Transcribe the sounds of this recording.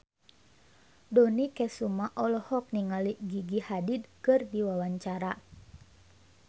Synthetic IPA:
dɔnikɛsumaʔɔlɔhɔk̚niŋaliɡiɡihadid̚kɨrdiwawaɲt͡ʃaɾa

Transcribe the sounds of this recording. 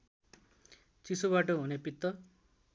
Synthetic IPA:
t͡sisoβaʈʌɦunepit̪ːʌ

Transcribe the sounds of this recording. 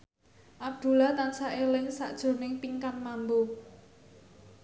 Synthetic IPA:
ʔab̚d̪̥ṳlat̪ansaʔelɪŋsa̰ʔd̥ʒ̥ʊ̤nɪŋpiŋkanmambu

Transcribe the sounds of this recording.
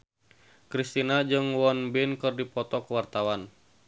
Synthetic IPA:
kɾist̪inad͡ʒɨŋwɔnbinkɨrdipɔt̪ɔkəwart̪awan

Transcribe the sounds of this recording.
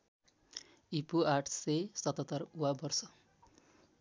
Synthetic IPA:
ipuaʈʰsesʌt̪ʌt̪ʌruwabʌrsʌ

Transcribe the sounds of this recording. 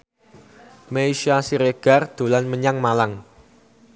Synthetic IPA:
meiʃiasiɾeɡ̥a̤rd̪̥o̤lanməɲaŋmalaŋ

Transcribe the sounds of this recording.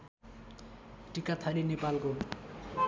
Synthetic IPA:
ʈikat̪ʰʌɾinepalko

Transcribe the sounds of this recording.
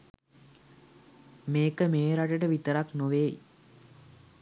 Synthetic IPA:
meːkəmeːɾaʈəʈəʋit̪əɾaknoʋeː

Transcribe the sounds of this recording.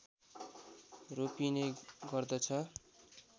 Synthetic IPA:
ropineɡʌrd̪ʌt͡sʰʌ

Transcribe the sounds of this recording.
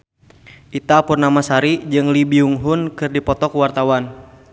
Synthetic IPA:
ʔit̪apurnamasaɾid͡ʒɨŋlibiuŋɦunkɨrdipɔt̪ɔkwart̪awan

